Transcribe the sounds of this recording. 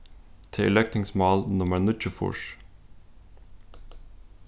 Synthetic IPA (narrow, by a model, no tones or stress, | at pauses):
t̪ʰəɪ̰lɛk̚t̪ʰɪ̃ŋsmɑlnɔmənʊt͡ʃəfʊ̰ʃ